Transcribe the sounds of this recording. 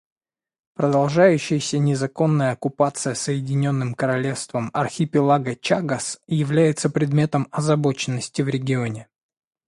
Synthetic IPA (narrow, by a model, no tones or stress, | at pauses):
pɾəd̪ɐlˠʐajʉɕːɪjəsʲənʲɪzɐko̞nːəjəɐkʊpat̪sɨjəsəjɪdʲɪnʲo̞nːɨmkəɾɐlʲe̞fst̪vəmɐrxʲɪpʲɪlˠaɡət͡ɕaɡəsjɪvlʲæjɪt̪səpɾʲɪd̪mʲe̞t̪əmɐzɐbo̞t͡ɕɪnːəsʲtʲɪvɾʲɪɡʲɪo̞nʲɪ